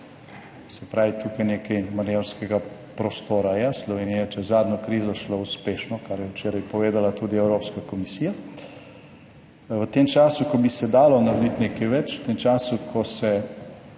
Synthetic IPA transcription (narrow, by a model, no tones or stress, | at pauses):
sɛpɾaːʋit̪uːkajneːkɛjmaneɾskɛɡapɾɔst̪oːɾajɛslɔʋeːnijɛt͡ʃɛzzaːd̪nɔkɾiːzɔʃlouspeːʃnɔkaɾjɛwt͡ʃeːɾajpɔʋeːd̪alat̪uːd̪iɛwɾoːpskakɔmisija | ʋət̪emt͡ʃaːsukɔbisɛd̪aːlɔnaɾd̪it̪neːkɛjʋɛt͡ʃwt̪emt͡ʃaːsukʰɔsɛ